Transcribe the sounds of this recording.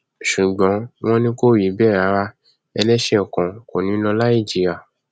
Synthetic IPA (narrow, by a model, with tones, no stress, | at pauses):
ʃu˨ɡ͡bɔ̃˨˦w̃ɔ̃˦nĩ˦ko˦˨ji˨˦bɛ˦˨ɾa˨˦wa˧ | ɛ˧lɛ˦ʃɛ˦ɔ˨kɔ̃˨ko˨nĩ˨˦lɔ̃˧la˦i˦˨d͡ʒi˧a˨